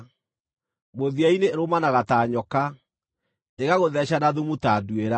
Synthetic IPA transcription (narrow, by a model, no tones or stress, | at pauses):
moðiaineɾomanaɣataːɲɔka | eɣaɣoðɛɕanaðumutaːdueɾa